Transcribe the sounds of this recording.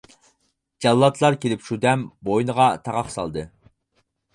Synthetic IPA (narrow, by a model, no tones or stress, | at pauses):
d͡ʒɑlˠːɑt̪ʰlˠɑɾkʲʰelɪpʃud̪ɛmbojnəʁɑt̪ʰɑʁɑχsɑ̰lˠd̪ɨ